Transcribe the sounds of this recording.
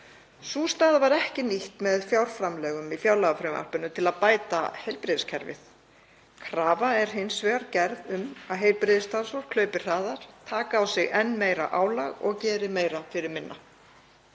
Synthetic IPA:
suːst̪aːðvaɾɛhcɪniht̪mɛðfjawɾ̥fɾamlɛːɣʏmifjawlaɣafɾɪma̰r̥pʏnːʏt̪ʰɪlaðpaːjt̪a̰hejlpɾɪːðɪscʰɛɾvɪ̰θ | kʰɾaːvaɛɾ̥ɦɪnsvɛːɣaɾcɛɾðʏmaðɦejlpɾɪðɪst̪ʰasɔr̥kʰlœːɥpɪr̥aːðaɾ̥t̪ʰaːkaːwsɪɣɛnːmeːjɾa̰ʔaːwlaɣɔ̰ɣcɛːɾɪmeːjɾafɪɾɪɾmɪnːa

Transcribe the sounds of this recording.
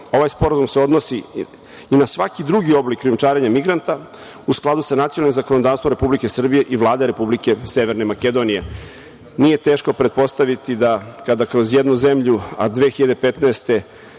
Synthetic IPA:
o̞ʋajspo̞ɾazumseo̞d̪nosiː | nasʋakid̪ɾuɡio̞blikːɾijumt͡ʃaːɾeɲamiɡɾant̪a | usklˠad̪usanat̪ionalnimzakonod̪aːʋst̪voɾe̞publike̞sr̩bije̞ʔiʋlˠaːd̪eɾe̞publike̞seʋeɾnemake̞d̪o̞nije̞ | nije̞t̪eːʃko̞pɾet̪̚po̞st̪aʋit̪id̪akad̪akɾo̞zjed̪nuze̞mʎua̰d̪ʋexiʎad̪e̞pet̪naest̪e̞

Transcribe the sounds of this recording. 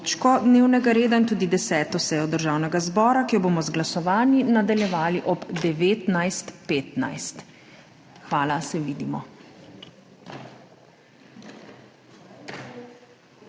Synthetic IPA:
t͡ʃkɔd̪neːwnɛɡaɾeːd̪aint̪uːd̪id̪ɛsɛːt̪ɔsɛːjɔd̪əɾʒaːwnɛɡazbɔːɾakijɔboːmɔzɡlasɔʋaːnjinad̪aljɛʋaːliʔɔbd̪ɛʋeːt̪najst̪peːt̪na̰jst̪ | xʋaːlasɛʋiːd̪imɔ

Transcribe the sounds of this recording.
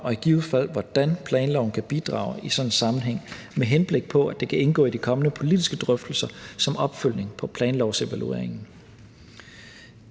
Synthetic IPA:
ɒ̽iɡ̥iuð̩ˠfæl̰ʋɒd̥ænpʰlɛːnlɒʊn̩kʰæb̥id̥ʁɑ̰̈ːʊisɒ̽nnsɑ̈mn̩ɦeŋ̰ | meɦenb̥le̝ɡ̥̚pʰɒ̽æd̥e̝kʰæʔe̝nɡ̥ɔ̰ːid̥ikʰɒ̽mənəpʰo̝lid̥isɡ̥əd̥ʁœfd̥l̩sɐsɒ̽mɒ̽b̥føl̰ne̝ŋpʰɒ̽pʰlɛːnlɒʊse̝ʋælue̝̰ɐeŋn̩

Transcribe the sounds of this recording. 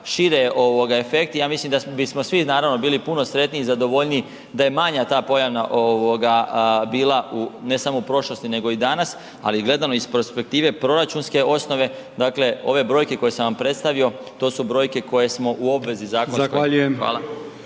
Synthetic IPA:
ʃiɾeʔo̞ʋoɡaefe̞k̚t̪ijaːmislimd̪abismo̞sʋinaːɾaʋno̞biːlipuno̞sɾe̞t̪niːzad̪o̞ʋo̞ʎniː | d̪aje̞maɲat̪aːpo̞jaʋnaʔoʋoɡabiːlˠaune̞samoupɾo̞ʃlo̞st̪ine̞ɡo̞id̪anas | a̰liɡle̞d̪anoispeɾspe̞k̚t̪iːʋe̞pɾo̞ɾat͡ʃunske̞o̞sno̞ʋe̞ | d̪aːkle̞o̞̰ʋe̞bɾo̞jke̞ko̞je̞sanʋampɾe̞t̪st̪aʋio̞ | t̪o̞ːsubɾo̞jke̞ko̞je̞smo̞ʔuo̞bʋe̞zizaːkonzaskoaʎujemʋa̰ːlˠa

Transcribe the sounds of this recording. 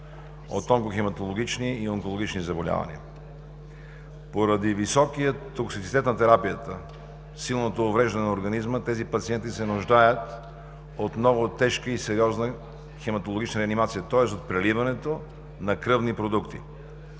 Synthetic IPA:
o̰t̪ːɔŋkoxɛmɐt̪olˠoɡ̟it͡ʃniːoŋkolˠoɡʲit͡ʃnizɐbolʲa̰vɐ̰nḭə̰ | poɾɐd̪ivisɔkijət̪ːoksit̪sit̪ɛt̪nɐt̪ɛɾapijət̪ə | silˠnot̪oːvɾɛʒd̪ɐnɛnɐoɾɡɐnizmət̪ɛzipɐt̪siɛnt̪isɛnʊʒd̪ajət̪ | ot̪nɔvot̪ɛʃkəisɛɾʲiɔznə | xɛmɐt̪olˠoɡʲit͡ʃnəɾɛɐnimat̪sijət̪ɔɛst̪ot̪̚pɾɛlivɐnɛt̪o | nɐkɾɤvnipɾod̪ukt̪ḭ

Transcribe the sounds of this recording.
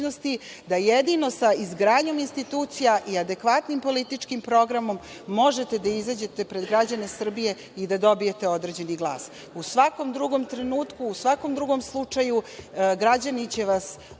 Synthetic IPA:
nost̪i | d̪ajed̪ino̞saizɡɾaːɲo̞minst̪it̪uːt̪sijaʔiad̪ekʋat̪nimpo̞lit̪it͡ʂkimpɾo̞ɡɾamo̞mː | o̞ʒe̞t̪e̞d̪aizad͡ʑe̞t̪e̞pɾed̪ɡɾad͡ʑane̞sr̩bije̞ | id̪ad̪o̞bije̞t̪e̞o̞d̪ɾe̞d͡ʑe̞niɡlˠa̰ːs | usʋako̞md̪ɾuɡo̞mt̪ɾe̞nuːt̪kuːsʋako̞md̪ɾuɡo̞mslˠut͡ʂajuɡɾad͡ʑanit͡ɕe̞ʋas

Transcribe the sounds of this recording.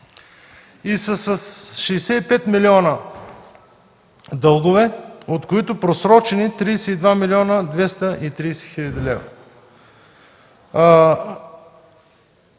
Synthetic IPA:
isɐsɐsʃɛjsɛipɛt̪milʲiɔnə | d̪ɤlˠɡ̪ovɛot̪koit̪ʊpɾosɾɔt͡ʃɛnit̪ɾiːsɛid̪vamilʲiɔnəd̪vɛst̪əʔit̪ɾiːsɛxilʲɐd̪ilɛ̰vɾo̰

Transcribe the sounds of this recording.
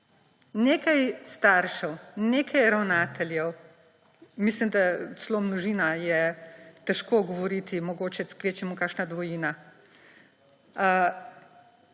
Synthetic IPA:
neːkajst̪aːɾʃɛwneːkʰajɾawnaːt̪ʰɛljɛw | mislimd̪asloːmnɔʒiːnajɛt̪ɛʃkoːɡɔʋɔɾiːt̪imɔɡoːt͡ʃɛskʋeːt͡ʃɛmukaːkʃnad̪ʋɔjiːna

